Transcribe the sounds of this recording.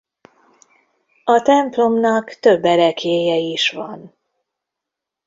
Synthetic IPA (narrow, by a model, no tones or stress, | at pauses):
ɒt̪ɛmplo̞mnɒkt̪ø̞bːɛɾɛkeːjɛiʃʋɒn